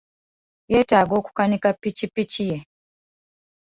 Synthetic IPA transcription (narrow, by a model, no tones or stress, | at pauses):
jetaɡoku̥kanikapit͡ʃipit͡ʃije